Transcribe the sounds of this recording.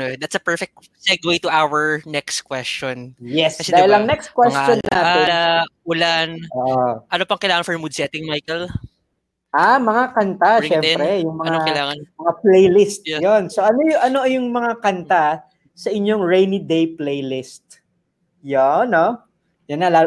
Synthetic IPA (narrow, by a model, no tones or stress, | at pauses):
nod̪at̪sɐpɛɹfɛk̚t̪̚ | sɛt̪̚wejt̪ʊʔawəɹnɛkst̪kwɛst͡ʃonjɛsɐsɛd̪aːhɪlɐŋnɛks̚kwɛsonːaːɛʔʊlanoʔoʔɐnopɐŋkɐɪjlaːŋɐnfɔɹmud̪sɛt̪ɪŋmajkɛl | ʔamɐŋakɐnt̪aʃɛɛmpɾɛjʊŋmɐŋaokɐlaːŋɐnmɐŋaplejlɪst̪̚jonsoʔɐnojʊʔɐnoʔɐjʊŋmɐŋakɐnt̪a | sɐʔɪɲjoŋɹɛjnid̪ejplejlɪst̪̚ | jono | jɐnːala